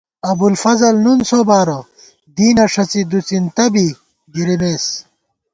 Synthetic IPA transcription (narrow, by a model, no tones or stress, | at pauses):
ɐbulfɐzɐlnunsoːbaːɾo | d̪iːnɐʂɐt͡sid̪ut͡sint̪ɐbi | ɡiɾimeːs